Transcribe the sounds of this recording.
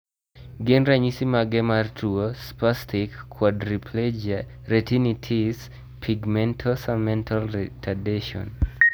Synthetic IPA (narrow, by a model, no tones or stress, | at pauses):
ɡenraɲisimaɡɛmartʰuospastikʰːwadɾipʰlɛd͡ʒ | retinitʰis | pʰiɡmɛntʰosamɛntʰaltʰadeʃɔ̰n